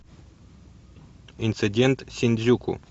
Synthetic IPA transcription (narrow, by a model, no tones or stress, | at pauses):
int̪sɨdʲent̪sʲinʲzʲukṵ